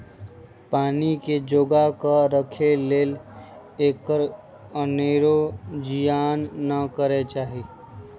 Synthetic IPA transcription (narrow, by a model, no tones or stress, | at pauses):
paːniked͡ʒoɡakəɾəkʰeleːl | eːkəɾ | əneɾod͡ʒijaːnːəkəɾet͡ʃaːɦi